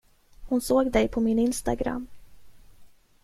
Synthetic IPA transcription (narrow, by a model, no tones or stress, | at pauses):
hʊnsoːɡd̪ɛjpʰɔmɪnɪnst̪a̰ɡɾa̰mː